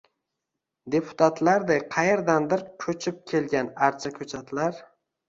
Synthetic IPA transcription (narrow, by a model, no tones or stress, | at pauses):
d̪e̞pʰʊ̥t̪ʰat̪laɾd̪ajqʰɑjeɾd̪and̪ɪɾkʲʰɵt͡ʃʰɪp̚kʲʰe̞lɡʲanaɾt͡ʃʰakʲʰɵt͡ʃʰat̪laɾ